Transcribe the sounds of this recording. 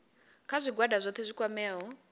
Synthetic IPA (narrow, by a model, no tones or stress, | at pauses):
kʰazʷiɡwadazʷɔt̪ʰɛzʷikʼwamɛːɦɔ